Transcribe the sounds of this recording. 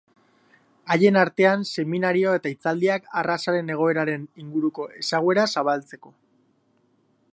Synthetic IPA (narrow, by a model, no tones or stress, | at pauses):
aje̞naɾt̪e̞anse̞minaɾio̞e̞t̪ait͡sald̪iakarasaɾe̞ne̞ɣ̞o̞e̞ɾaɾe̞niŋɡuɾuko̞ʔe̞saɣwe̞ɾasaβ̞alt͡se̞ko̞